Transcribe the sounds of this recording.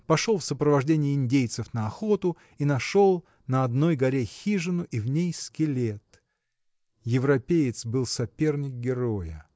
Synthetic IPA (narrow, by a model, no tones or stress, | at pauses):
pɐʂolˠfsəpɾəvɐʐdʲenʲɪjəɪnʲdʲejt̪sɨfnəɐxot̪ʊ | inɐʂo̞lˠ | nəɐd̪no̞jɡɐɾʲexʲiʐɨnʊʔivnʲejskʲɪlʲet̪ | jɪvɾɐpʲejɪt̪sbɨlˠsɐpʲe̞rnʲɪk̚ɡʲɪɾojə